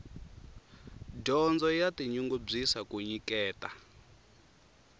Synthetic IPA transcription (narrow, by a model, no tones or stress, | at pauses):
dɔnd͡zɔjatiɲuŋɡub͡ʐisakuɲikɛːta